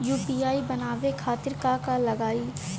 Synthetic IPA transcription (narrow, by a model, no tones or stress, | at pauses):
juːpiːaːibənaːʋekʰaːt̪ɪɾkakalɐɡaːiː